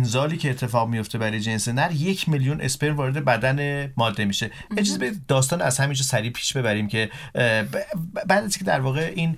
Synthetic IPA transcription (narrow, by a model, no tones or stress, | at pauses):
nzɒːliːcʰe̞ːt̪ʰːe̞fɒːɣmijo̞ft̪e̞bæɾɒːjed͡ʒe̞nsenæɾje̞cʰmeljunʔe̞̰speɾmvɒːɾed̪ebæd̪ænemɒːd̪ːe̞miːʃe̞ | ed͡ʒiːzebeid̪̚d̪ɒːst̪ɒːnæzhæmind͡ʒɒsæɾiːpʰi̥ːʃbe̞bæɾiːmcʰe̞ | bæːd̪æzikʰʲed̪æɾvɒːɣe̞ʔiːn